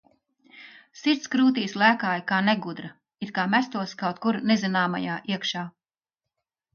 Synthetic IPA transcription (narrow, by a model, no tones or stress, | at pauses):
siɾt̪skɾuːt̪iːslˠæːkaːjkaːneɡud̪ɾɐ | it̪kaːmæst̪uɔskawt̪̚kuɾnezinaːma̰jaːʔiɛkʃaː